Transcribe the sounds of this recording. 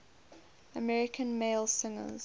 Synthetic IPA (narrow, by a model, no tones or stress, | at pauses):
əmɛɹɪkʰə̃nmeɪlˠsɪ̃ŋə̰z̥